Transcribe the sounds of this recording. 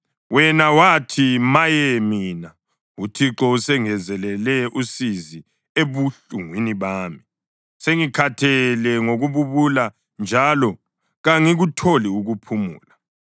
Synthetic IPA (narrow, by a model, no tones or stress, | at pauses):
wɛnawatʰimajɛmiːna | utʰiǁɔusɛŋɛzɛlɛlɛusizi | eβuɬuŋwiniβaːmi | seŋikʰatʰɛlɛŋoɣuβuβula | nd͡ʒʱalɔ | ɣaŋiɣutʰoliuɣupʰumṵːla